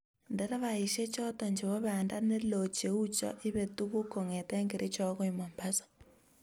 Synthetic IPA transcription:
ndɛ˦ɾa˦βa˨i˨ʃe˦t͡ʃɔ˦tɔ˨ɲd͡ʒe˨βɔ˦βa˨nda˦ne˦lo˨t͡ʃe˨u˦t͡ʃɔ̰˦ʔɪ˦βe˨tu˦ɣu˦ko˨ŋe˨tɛ˦ŋɡɪ˨ɾʔi˦t͡ʃɔ˦kɔ˦i˨ma˨mba˦sɔ̥˦

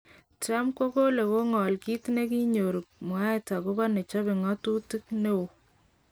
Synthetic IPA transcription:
ta˦mko˦ko˦le˨ko˦ŋɔ˨lki˦tne˦ki˦ɲo˨ɾu˨k̚m˨a˦e˦ta˨ko˦ka˦ne˨t͡ʃɔ˦be˨ŋɔ˦tu˦ti˦k̚ne˦wo˨

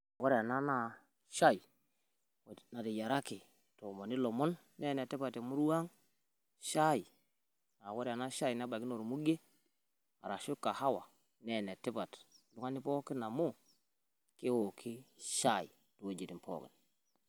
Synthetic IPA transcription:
a˨wo˦ɾa˨na˦na˦ | ʃa˦ji˨ | na˨ti˨ja˨ɾa˦ki˨ | to˨mo˨ni˦lo˨mo˦nːe˦ne˨ti˦pa˨te˨mu˦ɾwa˦ŋ | ʃa˦i˨ | a˨wo˦ɾa˨na˦ʃa˦i˨na˦ba˨ki˦no˨ɾmu˦ɡe˦ | a̰˨ɾa˨ʃu˦kːa˨ha˦wa˨ | ne˦˨ne˨ti˦pa˨tlu˦ŋa˦ni˦po˦kːi˦na˨mu˦ | ki˦wo˨kʰi˦ʃa˦˨i˨ | tu˨wo˦d͡ʒi˨ti˨mpo̰˦kḭ˨n

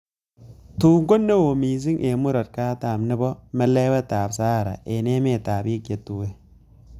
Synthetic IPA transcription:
tuː˨ŋɡo˦nːe˦wo˨miː˨s̬ɪ˦ŋʔe˨mʊ˦ɾɐ˨t̚kaː˦taː˨mnɪ˦bɔ˦mɛ˦le˦wɛ˦taː˨bsaː˦˨ɾa̰˨ʔe˨ne˦me˦˨taː˨bi˦ke˨tu˦we˦

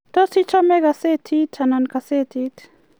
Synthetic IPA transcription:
t̪o˦si˦t͡ʃo˦me˦ɡa˨se˦t̪ʰi˦t͡ʃa˨na˨nka˨se˦t̪ʰi˦t̪

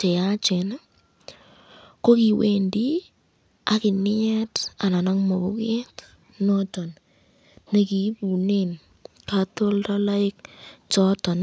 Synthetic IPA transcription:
t͡ʃe˨ja˦t͡ʃe˨na˦ | ko˦ki˨we˦ndi˦ | a˨˦kɪ˨nɪ˦ɛ˦ta˨na˨na˦ŋmo˨bu˦ke˦t | nɔ˦t͡ʃɔ˨n | ne˨ki˨˦pu˨ne˦n | ka˦to˦lta˦la˦ɪ˦k̚t͡ʃɔ˦tɔ˨n

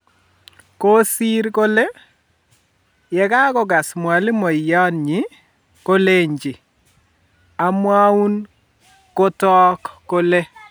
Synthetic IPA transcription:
ko˦si˦ɾko˦le˦ | jɛ˨ka˦kɔ˦ɡa˨smwa˨lɪ˦mo˨jɔ˦nɲi˨˦ | ko˦le˦ɲd͡ʒɪ˨ | a˨mwa˦u˦n | ko˦tɔː˦kːo˦le˦

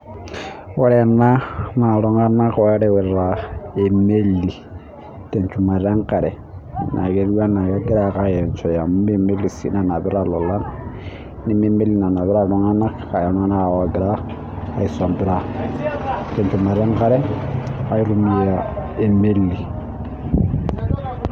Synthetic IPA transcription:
wa˦ɾɛ˦˨na˦na˨lɔ˦ŋa˦na˦kɔ˨ɛ˦ɾɛ˦wɛ˨ɾa˨e˨me˦lːi˨ | te˨nt͡ʃu˨ma˨ɾa˦ŋka˨ɾɛ˨ | nʔa̰˨ɡe˦ɾwa˦na˨jɔ˦ɡi˦ɾa˨ka˦jɛ˨nt͡ʃɔ˨ja˨m˦e˦me˦li˨sḭ˦na˨na˨bɪ˦ɾa˦lɔ˨la˦n | ni˦me˦me˦li˨na˨na˨bɪ˦ɾa˦lɔ˦ŋa˦na˦ka˨ja˨na˦na˦a˨wa˨ɡɪ˨ɾa˦ | a˨i˨sa˨mbɪ˦ɾa˦ | te˨nt͡ʃu˨ma˨ɾa˦ŋka˦ɾɛ˦a˦i˦ɾu˦mi˦˨ja˨e˨me˦lːi˨

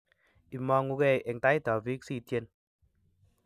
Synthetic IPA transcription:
i˨mɔ˧ŋu˧kɛ˧˨ʔe˨ŋ˨ta˦i˦ta˨vi˦ksi˦˧˨tje˧n

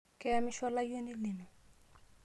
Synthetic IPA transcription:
kɛ˦a˦mɪ˦ʃɔ˦la˦je˦ni˦li˨no˨

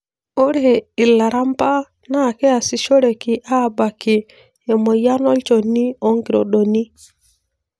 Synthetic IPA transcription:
o˦ɾe˦˨ɪ˨la˨ɾa˦mpa˦ | na˦˨kɛ˦a˨sɪ˨ʃo˦ɾe˨kɪ˨ʔa˦˨ba˨kɪ˨ | e˨mo˨ja˦nɔ˦lt͡ʃo˨ni˦o˦ŋɡi˨ɾo̰˨ɗo˨ni˦

